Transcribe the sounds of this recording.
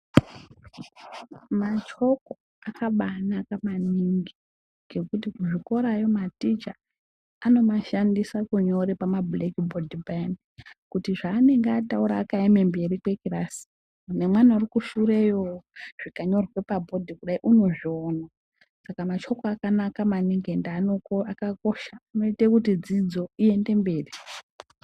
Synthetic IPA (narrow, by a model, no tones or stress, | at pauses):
mat͡ʃo̞ko̞ | akaɓanakamaniŋɡi | ɡʱe̞kut̬ikuʐiko̞ɾajo̞matit͡ʃa | ano̞maʃandisakuɲo̞ɾepamablekibʱo̞dʱiban | kutiʐaːne̞ŋɡatauɾaːkaemembe̞rikwekirasi̥ | ne̞mwanaurikuʃuɾejoʐ̥ikaɲo̞rɣwe̞pabʱo̞dʱikuɗaiʔuno̞ʐiona | sakamat͡ʃo̞koakanakamaniŋɡendanoakako̞ʃaːno̞itekutid͡zid͡zo̞ie̞nde̞mbe̞ːri